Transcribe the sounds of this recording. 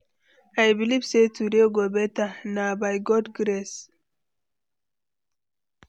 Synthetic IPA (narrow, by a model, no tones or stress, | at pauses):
ajbilibsetuɾeɡobɛtanabajɡɔdɡɾes